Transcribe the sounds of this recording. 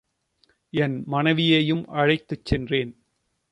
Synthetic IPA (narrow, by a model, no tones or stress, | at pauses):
ɛnmɐnɐʋɪjejɯmʔɐɻɐɪt̪ːɯt͡ʃːɛndreːn